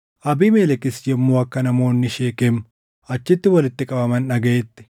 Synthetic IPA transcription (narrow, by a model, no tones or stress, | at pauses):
ʔɐbiːmeːlɛkɪsd͡ʒɛmːuːɐkːɐnɐmo̞ːnːɪʃeːkemː | ʔɐt͡ʃːɪt̪ːɪwɐlɪt̪ːɪkʼɐbɐmɐnɐɡeːt̪ːɪ̥